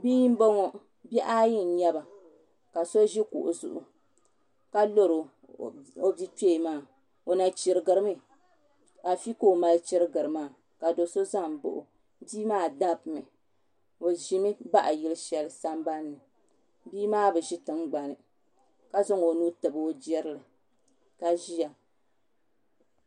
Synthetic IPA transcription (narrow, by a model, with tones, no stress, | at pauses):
biː˦m̩˦bo˦ŋɔ˨ | bɛ˦ʔa˦ji˦n̩˨˦ɲɛ˦ba˨ | ka˨so˦ʒi˦kṵ˨ʔʊ̰˨zʊ̰˨ʔʊ̰˨ | ka˦lo˦ɾo˨ | o˦bi˦k͡pe˦˨maː˦˨ | o˨na˨t͡ʃɪ˨ɾɨ˨ɡɨ˨ɾɨ˦mɨ˦ | a˨fi˦ko˦˨ma˦lt͡ʃi˦ɾɨ˦ɡɨ˨ɾɨ˨maː˦˨ | ka˨do˨so˦za˦m˨bo̰˦ʔʊ̰˨ | biː˦maː˦da˦pmɨ˨ | o˨ʒi˨mɨ˦ba˦ʔa̰˨ji˦lɨ˦ʃɛ˨lɨ˨sa˦m˦ba˦nːɨ˨ | biː˦maː˦bɨ˨ʒi˦tɨ˨ŋɡ͡ba˨nɨ˨ | ka˦zʊ˦ŋo˨nuː˦tɨ˨bɨ˨o˦d͡ʒɛ˦ɾɨ˦lɨ˨ | ka˨ʒi˦ja˨